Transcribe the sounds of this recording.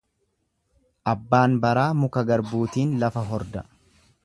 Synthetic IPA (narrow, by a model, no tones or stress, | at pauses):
ʔɐbːaːnbɐɾaːmʊkɐɡɐɾbuːt̪iːnlɐfɐɦɔɾd̪ɐ